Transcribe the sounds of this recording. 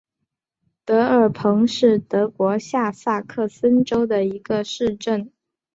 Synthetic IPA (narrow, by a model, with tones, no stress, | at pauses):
t̪ɤ˧˥ə˞˨˩pʰɤ˧˥ŋʂɻ̩˥˩t̪ɤ˧˥kwɔ˧˥ɕja˥˧sa˥˧kʰɤ˥˩sə˥nʈ͡ʂo˥ʊd̪ə˨i˧˥ɡ̥ə˧ʂɻ̩˥˧ʈ͡ʂə˥˩n